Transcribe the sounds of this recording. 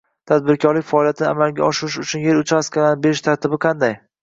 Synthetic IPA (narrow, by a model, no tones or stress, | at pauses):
t̪ʰad̪̚bɪɾkʰʲɒɾlɪkʲfaɒːlijat̪ʰɪnɪa̰malɡʲa̰ɒʃɪɾɪʃʊt͡ʃʰʊnje̞ɾʊt͡ʃaskʰʲalanɪbeɾɪʃt̪ʰaɾt̪ʰɪbɪqʰɑnd̪aj